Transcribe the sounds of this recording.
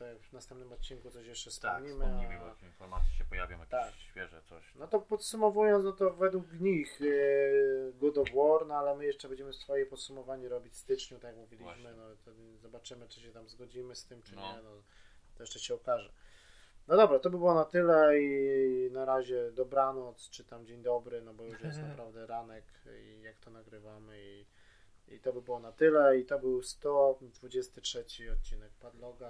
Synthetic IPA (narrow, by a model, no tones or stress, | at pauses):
t̪akvnast̪ɛmpnɨmɔt̪̚t͡ɕinkut̪sɔɕjɛʂt͡ʂɛstɛmɲimaiibkinfɔɾma̰t̪sʲjiɕɛpɔja̰vʲjɔ̰̃mjat̪akɕfʲjɛʐɛ̰t̪sɔ̰ɕnɔt̪ɔpɔt̪sumɔvujɔ̃nt̪nɔt̪ɔvɛd̪wukɲix | ɡɔd̪ɔvwɔɾnɔalɛmɘjɛʂt͡ʂɛbɛɲd͡ʑɛmɘst̪fɔjɛpɔt̪sumɔvaɲɛɾɔbʲit͡ɕst̪ɘt͡ʂɲut̪akjakmuvʲilʲiɕmɘnɔt̪ɛd̪zɔbat͡ʂɘmɘt͡ʂɨɕɛt̪amzɡɔd͡ʑimɘst̪ɘmt͡ʂɨɲɛnɔ | t̪ɔjɛʂt̪ɛɕɛɔkaʐɛ | nɔd̪ɔbɾat̪ɔbɘbɘwɔnat̪ɘlɛinaɾaʑɛd̪ɔbɾanɔt̪st͡ʂɘt̪amd͡ʑeɲd̪ɔbɾɘnɔbɔjuʂjɛst̪napɾavd̪ɛɾanɛk | ḭjakt̪ɔnaɡɾɘvamɘi | ḭt̪ɔbɘbɘwɔnat̪ɘlɛit̪ɔbɘwst̪ɔd̪vud͡ʑɛst̪ɘtʂɛt͡ɕiɔt̪̚t͡ɕinɛk̚pad̪lɔɡa